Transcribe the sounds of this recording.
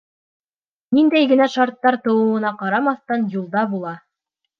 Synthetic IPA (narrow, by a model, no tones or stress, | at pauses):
nind̪æjɡɘ̆næʃɑɾt̪ːɑɾt̪ɤ̆wɤ̆wɤ̆nɑqɑɾɑmɑθt̪ɑnjulˠd̪ɑbulˠɑ